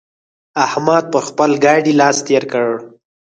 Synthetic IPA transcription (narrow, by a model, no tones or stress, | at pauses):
ahmɑd̪̚pəɾxpəlɡɑɖilɑst̪eɾkəɽ